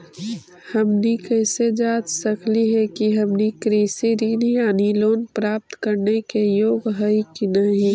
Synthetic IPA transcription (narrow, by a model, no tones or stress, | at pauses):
həmnikɛːsed͡ʒaːd̪səkʰliɦɛkiɦəmnikɾeːsiɾiːnijaːniloːnpɾaːp̚t̪kəɾnekejoːɡɦəikinəɦĩ